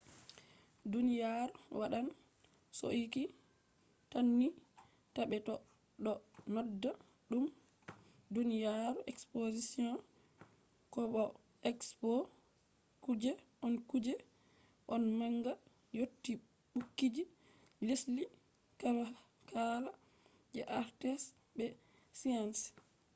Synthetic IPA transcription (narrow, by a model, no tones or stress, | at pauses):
dunijaɾwaɗan | so̰ʔiki | tanːi | taɓɛtɔ | ɗɔnɔdːa | ɗum | dunijaɾuʔɛkspozisiɔ̃n | kɔɓɔ | ɛkspo | kud͡ʒɛ | ʔɔnkud͡ʒɛ | ʔɔnmaŋɡa | jotːi | ɓukːid͡ʒi | lisli | kaba | kʰala | d͡ʒɛ̰ʔaɾtɛs | bɛ | sians